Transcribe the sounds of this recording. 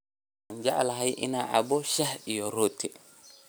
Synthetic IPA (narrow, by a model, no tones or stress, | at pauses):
and͡ʒaʔalaɦajʔḭnaʔa̰bɔʃahijɔɾoːtʰːɛ